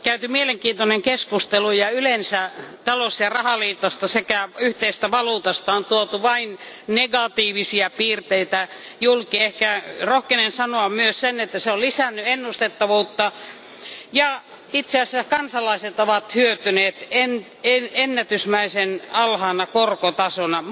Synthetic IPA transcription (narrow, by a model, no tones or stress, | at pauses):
kæyt̪ymieleŋkiːnt̪oneŋkeskust̪elujɑylensæt̪ɑlosjɑrɑhɑliːt̪ɑst̪ɑsekæyht̪eist̪æʋɑluːt̪ɑst̪ɑont̪uot̪uʋɑin | neɡɑt̪iːʋisiɑpiːrt̪eit̪æjulkiehkærohkenensɑnoɑmmyøssenet̪ːæseolisænːyenːust̪et̪ːɑʋuːt̪ːɑ | jɑ | it̪seɑsækɑnsɑlɑiset̪oʋɑt̪hyøt̪yneːt̪en | eenːæt̪ysmæisenɑlhɑːnɑkorkot̪ɑsonɑ